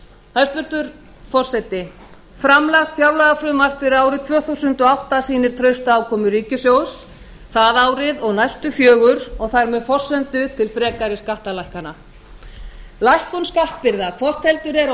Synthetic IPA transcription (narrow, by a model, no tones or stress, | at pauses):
hajst̪vʏɾ̥t̪ʏɾ̥ | fɔr̥sɛt̪ɪ | fɾamlaxt̪fjawlaɣafɾʏðmar̥pɪɾaːwɾɪt̪ʰvœːθusʏnt̪ɔawht̪asiːnɪɾ̥t̪ʰɾœɥst̪aawkʰɔːmʏriːcʏsjows | θaðaːwɾɪðɔɣnajst̪ʏfjœːɣʏɾɔɣθaɾmɛfɔr̥sɛnt̪ʏt̪ʰɪlfɾɛːkaɾɪskaht̪alajhkana | lajhkʏnskaht̪̚pɪɾðakʰvɔr̥t̪hɛlt̪ʏɾɛɾ